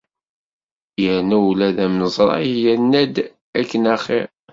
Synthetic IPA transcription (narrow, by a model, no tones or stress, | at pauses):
jəɾnæwlæðæmnəzˤɾˤɑ̰jænːæd̪ | ækːənæχi